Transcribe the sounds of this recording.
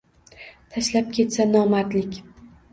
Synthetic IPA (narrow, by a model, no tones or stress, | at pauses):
t̪ʰaʃlap̚kʲʰe̞t̪sanɒmat̪lɪkʲ